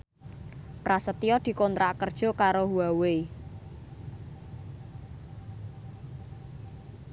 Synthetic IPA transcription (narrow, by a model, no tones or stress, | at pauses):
prasət̪ijɔd̪̥i̤kont̪ɾaʔkərd̥ʒ̥ɔ̤kaɾoɦuawe